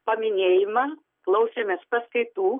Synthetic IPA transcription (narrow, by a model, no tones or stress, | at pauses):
pɐmʲɪnʲeːjɪmɐ | klˠɐʊsʲemʲɛspɐskɐɪt̪uː